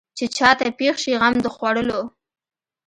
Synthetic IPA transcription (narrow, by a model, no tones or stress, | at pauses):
t͡ʃet͡ʃɑt̪apexʃiɣamd̪əxwaɽəlo